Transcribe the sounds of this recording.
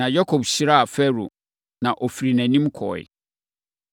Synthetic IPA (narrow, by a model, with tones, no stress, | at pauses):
ã˨ja˦kʰo˨bɕi˦ɾa˦a˨fɛ˦ɾṵ˨ | nã˨ʔo˨fi˨ɾi˨næ̃˨nĩ˦mkʰɔ̰˨ɪ̰˨